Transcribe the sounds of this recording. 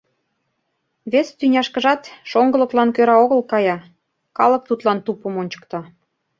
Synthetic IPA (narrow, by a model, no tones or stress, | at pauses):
βest̪ynʲɑʃkə̆ʒɑt̪ʃoŋɡɤ̆lɤ̆klɑnkøɾɑoɣə̆lkɑjɑ | kɑlɤ̆k̚t̪ut̪lɑnt̪upə̆monʲt͡ɕə̥̆kt̪ɑ